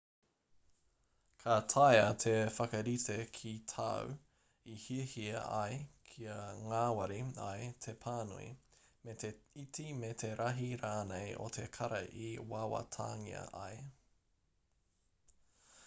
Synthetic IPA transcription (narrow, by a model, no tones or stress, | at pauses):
kʰɐt̪ʰajɐtʰefɐkɐɾitekʰitʰɐ̰w | ihiəhiɐ̰ʔɐ̰jkʰiɐŋaːwɐɾiɐ̰jt̪ʰepʰaːnṵḭmeteitimet̪ʰeɾʔɐɦiɾaːnejʔo̰tʰe̞kʰɐɾɐʔiwawɐ̰tʰa̰ːŋḭɐ̰ʔɐ̰e